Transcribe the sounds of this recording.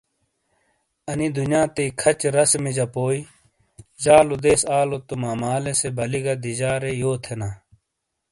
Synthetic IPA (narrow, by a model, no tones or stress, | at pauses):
ɐnid̪unjãːt̪eikʰɐt͡ɕɾɐsmid͡ʑɐpoːi | zaːlod̪eːsaːlot̪umaːmaːlesebʱɐliɡɐd̪id͡ʑaːɾejoːt̪ʰenaː